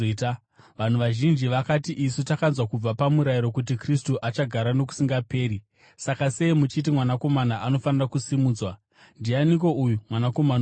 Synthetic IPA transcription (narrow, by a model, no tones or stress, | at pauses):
ta | ʋan̤uʋaʒind͡ʒiʋakatiʔisutakanzwakub͡vapamuɾajiɾo̞kut̬ikris̬tuʔat͡ʃaɡʱaɾano̞ku̥siŋɡape̞ːɾi | sakase̞imut͡ʃitimwanako̞manaʔano̞fanirakusimuːd͡zwa | ndianiko̞ujumwanako̞man